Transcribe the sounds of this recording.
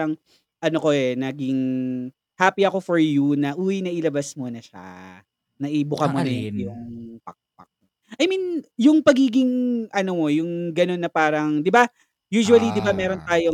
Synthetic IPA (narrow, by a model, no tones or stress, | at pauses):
ɐŋ | ʔɐnoko̞ʔɛnɐɡɪŋ | haːpiɐko̞fɔɹjunɐʔuːwɪnɐʔɪlɐbɐsmonɐʃa̰ | nɐʔɪbʊkɐmonɐjʊpɐk̚pɐk̚ | ʔɐjminjʊŋpɐɡiːɡɪŋʔɐnomo̞jʊŋɡɐno̞nːɐpaːɾɐŋd̪ɪba | juːʃuɐlid̪ɪbamɛːɾo̞nt̪aːjo